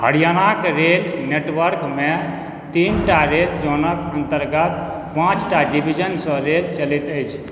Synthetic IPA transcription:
həɽijanakɾelneʈwəɾkme | t̪inʈaɾeld͡ʒonəkənt̪əɾɡət̪̚ | pãt͡ʃʈaɖibʱid͡ʒənsɔ̃ɾelt͡ʃəlit̪əjt͡ʃʰ

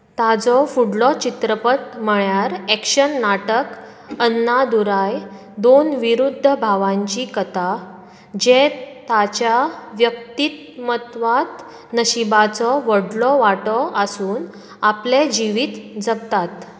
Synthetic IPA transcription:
t̪ad͡zɔfuɽlɔt͡ɕit̪ɾəpət̪m̤əɭjaɾɛkɕənːaʈək | ənːad̪uɾaj | d̪onʋiɾud̪ʱːəbʱaʋãɲt͡ɕikət̪a | d͡ʑet̪at͡ɕaʋjək̚t̪it̪̚ | mət̪ʋat̪ | nəɕibat͡sɔʋəɽlɔʋaʈɔʔəsuːn | apled͡ʑiʋiːt̪d͡zəb̚t̪at̪

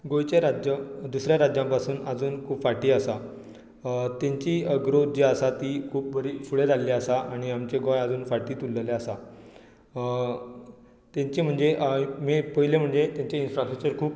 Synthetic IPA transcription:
ɡojt͡ɕeɾad͡ʑəd̪usɾjãɾad͡ʑjãmpasuːnəd͡zuːnkʰuːpfaʈiːəsa | t̪jãɲt͡ɕiːəɡɾod͡ʑeəsat̪iːkʰuːp̚bəɾiːfuɽed̪alːiasaʔaɽ̃iamt͡ɕeɡojad͡zuːnfaʈiːt̪ulːəleasa | t̪jãɲt͡ɕim̤əɳd͡zeʔmepəilem̤əɳd͡zet̪jãɲt͡ɕeinfɾasʈɾək̚t͡ɕəɾkʰuːp̚

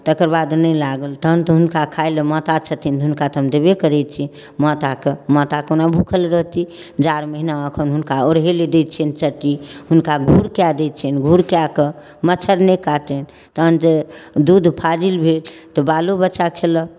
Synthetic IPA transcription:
t̪əkəɾbad̪nəjlaɡəlt̪əɦənt̪ɔɦunkakʰajləmɔt̪at͡ʃʰət̪ʰint̪ɦunkat̪ʰəmd̪ebekəɾɛt̪̚t͡ʃʰi | mɔt̪akəmɔt̪akonabʱukʰəlɾəɦt̪i | d͡ʒaɾməɦinaəkʰənɦunkaoɾɦeled̪et͡ʃʰɛnt͡ʃəʈiɦunkaɡʱuɾkead̪ɛt̪̚t͡ʃʰɛnɡʱuɾkakə | mət͡ʃʰəɾnekaʈ̪ɛn | t̪əɦənd͡ʒed̪ud̪pʰad͡ʒilbʱelt̪ɔbalubət͡ʃakʰelə

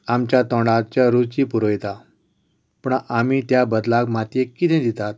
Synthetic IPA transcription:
amt͡ɕjat̪ɔ̃ɳɖatt͡ɕjaɾut͡ɕiːpuɾojt̪a | pəɳam̤iːt̪jabəd̪laɡmat̪jekːit̪ɛ̃d̪it̪at̪̚

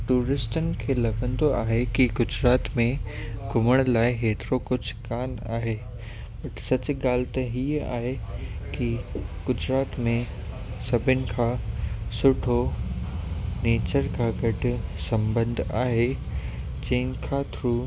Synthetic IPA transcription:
ʈuːɾɪsʈənɪ̆kʰeːlɐɡə̃nd̪oaːɦekiɡʊd͡ʑɾaːt̪mẽɡʱʊməɽ̃laːɪɦeːt̪ɪɾokʊd͡ʑʱʊkaːna̰ːɦeː | bɐʈsɐt͡ɕʊ̆ɡaːlɪt̪ɐɦiːa̰ːɦekiɡ̥ʊd͡ʑɾaːt̪mẽ | sɐbʱɪnɪ̆kʰãːsʊʈʰo | neːt͡ɕəɾkʰãːɡɐɖʱʊ̆sɐ̃mbə̃nd̪ʱaːɦe | d͡ʑɐ̃ɦɪ̃n̆kʰaːt̪ɾuː

